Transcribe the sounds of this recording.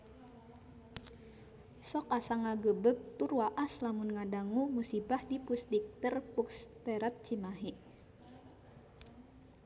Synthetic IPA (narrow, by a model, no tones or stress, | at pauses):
sɔkasaŋaɡəbək̚t̪uruaʔaslamunŋadaŋumusibahdipust̪ik̚t̪ərpukst̪ɛɾat̪̚t͡ʃimaɦiʔ